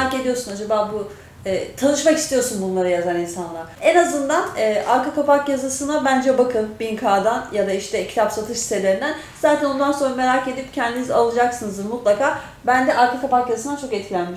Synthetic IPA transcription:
ake̞d̪ijo̞ɾsunad͡ʒabaːbu | ɛːt̪ʰanɯʃmakist̪ʰijo̞ɾsunbunlˠaɾajazaɾinsanlˠaɾɛnazɯnd̪anɛːʔaɾkakapakjazasɯnabænd͡ʒɛbakʰɯnbinkʰaːd̪anjad̪aiʃt̪ʰɛcʰi̥t̪ʰapsat̪ʰɯʃsi̥t̪ʰe̞lʲe̞ɾind̪æn | z̥aːd̪t̪ʰæno̞nd̪anso̞nɾame̞ɾake̞d̪ip̚cʰɛnd̪inizalˠɯd͡ʒaksɯnɯzd̪ɯɾmut̪lˠakʰaː | bænd̪ɛʔaɾkakapakjazasɯnd̪at͡ʃʰo̞kɛt̪̚cʰilʲænmiʃ

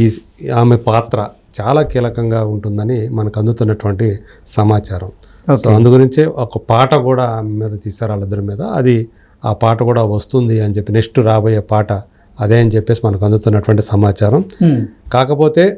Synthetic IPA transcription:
iː | aːmepaːt̪ɾɐ | t͡ʃaːlaːkiːlɐkɐŋɡaːuɳʈund̪ɐnimɐnɐkɐnd̪ut̪unːɐʈuʋɐɳʈi | sɐmaːt͡ʃaːɾɐmoːsoːɐnd̪uɡuɾiɲt͡ʃeʔɔkɐpaːʈɐkuːɽaːaːmemiːd̪ɐt̪iːsaːɾaːlid̪ːɐɾimiːd̪ɐɐ̰d̪i | aːpaːʈɐkuːɽaːʋɐst̪und̪iɐnit͡ʃe̞pːinekʂʈuɾaːboːjeːpaːʈɐ | ɐd̪e̞ːɐnit͡ʃepːe̞ːsimɐnɐk̬ɐnd̪ut̪unːɐʈuʋɐɳʈisɐmaːt͡ʃaːɾɐmkaːkɐpo̞ːt̪e̞ː

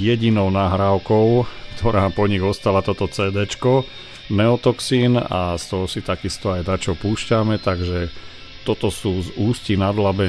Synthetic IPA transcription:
jɛɟinɔʊnaːɦɾaʊkɔʊkt̪ʰɔɾaːpɔɲiɣɔst̪alat̪ɔt̪ɔt͡sɛːd̪ɛːt͡ʃkɔ | nɛɔt̪ɔksiːna̰st̪ɔɦɔsit̪akist̪ɔajd̪at͡ʃɔpuːʃcamɛt̪aɡʒɛ | t̪ɔt̪ɔsuːzuːscinad̪labɛ

